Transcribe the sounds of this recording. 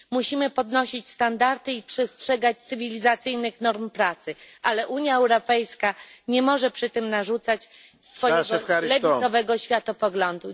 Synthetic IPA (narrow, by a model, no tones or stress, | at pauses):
muɕimɘpɔd̪nɔɕit͡ɕst̪and̪aɾt̪ɘipʂɛstʂɛɡat͡ɕt̪sɘvʲilʲizat̪sɘjnɘxnɔɾmpɾat̪sɘʔalɛʔuɲjaɛwɾɔpɛjskaɲɛmɔʐɛpʂɘt̪ɘmnaʐut̪sat͡ɕ | sfɔjɛɡɔlɛvʲisɔvɛɡɔɕfʲjat̪ɔpɔɡlɔnd̪u